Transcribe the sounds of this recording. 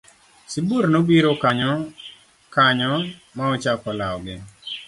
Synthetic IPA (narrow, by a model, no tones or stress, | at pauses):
siburnobiɾokaɲɔ | kaɲɔ | maɔt͡ʃakɔlaɔɡɪ